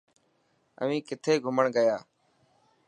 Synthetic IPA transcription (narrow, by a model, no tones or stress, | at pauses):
ə̰ʋĩːkɪt̪ʰeːɡʱʊməɳɡəjaː